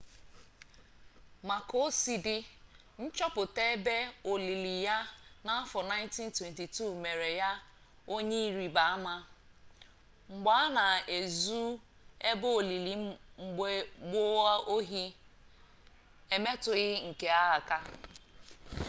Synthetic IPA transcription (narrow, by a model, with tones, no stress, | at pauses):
ma˨ko˦si˨dɪ˦ | n̩˦t͡ʃɔ˦pʊ˨te˦be˦o˨li˨li˨ja˦na˦a˦fɔ˨na˦ɪ˦nti˦n̩˦twe˨nti˨tu˦˨me˨ɾe˨ja˦ | o˦ɲe˦i˦ɾi˨ba˨a˦ma˦ | ŋ͡m̩˨ɡ͡ba˦a˦na˨e˨zu˦ | e˦bʊ˦o˨li˨li˨ŋ͡m̩˨ɡ͡be˦ɡ͡bo˦a˦ʔo˦ɦi˦ | e˨me˦tʊ˨ɣɪ˦ŋ̩˨ke˦a˦ɣa˨ka˦